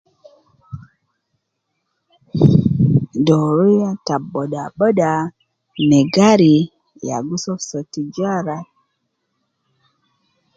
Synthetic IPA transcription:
doɾujataɓoɗaɓəɗa | meɡaɾi | ja̰ɡusofsotid͡ʒaɾa

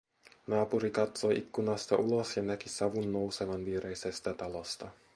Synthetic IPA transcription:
nɑːpuɾikɑt̪so̞jʔikːunɑst̪ɑʔulo̞sjɑnækisɑʋunːowsemɑnʋiːɾejsest̪æt̪ɑlost̪ɑ

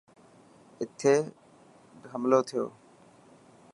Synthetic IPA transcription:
ɪt̪ʰːeː | bɦəmloːt̪ʰɪjo̰ː

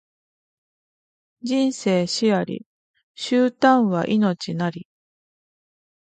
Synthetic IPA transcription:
d͡ʑĩɰ̃se̞ːɕiaɾʲḭ | ɕɨːt̪ãɰ̃βa̰ʔino̞t͡ɕinaɾʲi

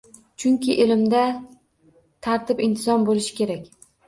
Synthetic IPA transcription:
t͡ʃʰʊŋkʲɪʔelɪmd̪a | t̪ʰaɾt̪ɪpɪnt̪ʰɪzɒnbolɪʃɪ̥kʲʰe̞ɾakʲ

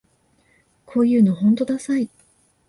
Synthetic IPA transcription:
kʰo̞ːjɯ̟ːno̞ɦõnt̪o̞d̪asai

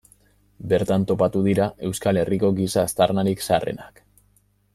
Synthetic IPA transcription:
be̞ɾt̪ant̪o̞pat̪uðiɾaʔe̞wskale̞rʔiko̞ɡisaːst̪arnaɾiksare̞̰nak

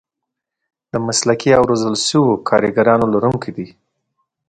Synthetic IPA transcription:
d̪̥əmaslakiawɾozəlʃəwokʰɑɾiɡaɾɑnolaɾuŋkid̪i

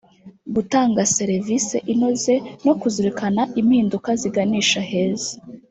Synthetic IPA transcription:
ɡutaːŋɡase̞ɾevisḛʔino̞ze̞no̞kuzuɾikʰanaʔimhiːndukaziɡaniːʃahe̞ːze̥

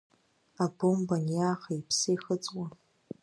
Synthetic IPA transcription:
abombanjaːχaipʰsɨiχət͡sʼwa

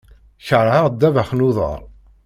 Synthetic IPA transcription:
çəɾˤʕəʁd̪ːævæχnuðˤə̰ɾˤ

